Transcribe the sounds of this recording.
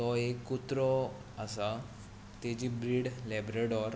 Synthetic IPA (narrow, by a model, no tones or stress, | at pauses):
t̪ɔekːut̪ɾɔ | asa | t̪ed͡ʑiːbɾiːɽlɛbɾeɽɔɾ